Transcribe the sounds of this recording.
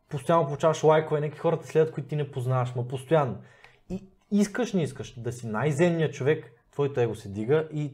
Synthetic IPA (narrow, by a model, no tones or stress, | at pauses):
post̪ojanːopolˠut͡ʃavɐʃlˠajkovɛnɛkixɔɾət̪ɐ̥slɛd̪ʲɐt̪̚koit̪ʊt̪inɛpoznavɐʃmɐpost̪ojanːo | i | iskəʃnʲiiskəʃd̪ɐsinajzɛmnʲijət͡ʃovɛk | t̪vɔjt̪oɛɡosɛd̪viɡəʔi